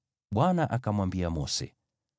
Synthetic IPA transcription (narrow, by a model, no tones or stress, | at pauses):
ɓwanaʔakamwambiamɔsɛ̰